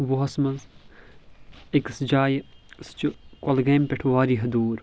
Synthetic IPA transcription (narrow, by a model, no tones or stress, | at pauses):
ʋuɦɐsmɐnz | eksd͡ʒaːjst͡ʃikɐlɡeːmpʲeʈʰʋaːɾiːɦɐd̪uːɾ